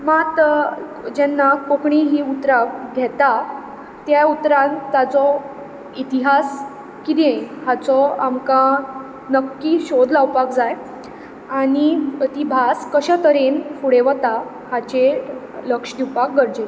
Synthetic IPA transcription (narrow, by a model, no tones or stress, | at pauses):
mat̪ | d͡ʑɛnːakokɳiɦiːut̪ɾaɡʱɛt̪a | t̪jaut̪ɾãnt̪at͡sɔ | it̪iɦas | kid̪ẽhat͡sɔamkã | nəkːiːɕod̪lawpakd͡zaj | aɽiət̪ibʱaskəɕat̪əɾenfuɽeʋət̪a | hat͡ɕe | ləkʂd̪iwpak̚ɡəɾd͡ʑe